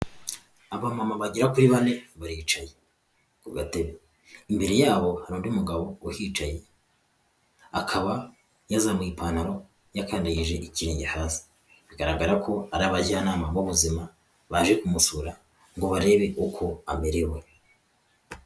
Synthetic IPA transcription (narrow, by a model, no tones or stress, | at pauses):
aβamamaβaɟiɾakuɾiβane̞βaɾiːt͡ʃaje | βateβe | imbe̞ɾe̞jaːβo̞haɾuːndiumuɡaβo̞wuhiːt͡ʃaje̞ | akʰaβa | jazamŋiːpʰaːnaɾo̞ | jakaːndaɡiʒe̞ʔiciɾeːɲɟehaːsi̥ | βiɡaɾaɡaɾakʰo̞aɾaːβaɟanaːmabuβuzima | βaːʒekumusuɾa | ŋɡo̞βaɾe̞βe̞ʔukʰoa̰meɾewe